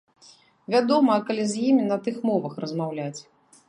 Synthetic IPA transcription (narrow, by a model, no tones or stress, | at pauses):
vʲad̪ɔmɐkalʲizʲjimʲinɐt̪ɨxmɔvɐxrɐzmawlʲat͡sʲ